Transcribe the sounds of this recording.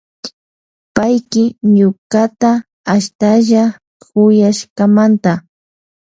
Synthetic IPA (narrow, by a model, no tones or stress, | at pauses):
pajkɪɲʊkat̪a | aʃt̪aʒa | kʊjaʃkamant̪a